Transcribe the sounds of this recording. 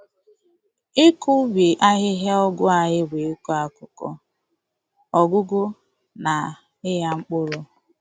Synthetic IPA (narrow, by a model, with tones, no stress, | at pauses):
ɪ˦kʊ˦bi˨ʔa˦ɦɪ˦ɦe˦ɔ˦ɡʊ˦a˨ɦɪ˦we˨˦ku˦a˦kʊ˨kɔ̰˦ | ɔ˨ɡʊ˦ɡʊ˦ | na˨ | ɪ˦ɦa˦ŋ͡m̩˦k͡pʊ˦ɾʊ˦